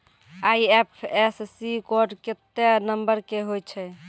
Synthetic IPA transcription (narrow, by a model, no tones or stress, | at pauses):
ajepʰessikoɾɖket̪ːenəmbəɾkeɦojt͡ʃʰɛ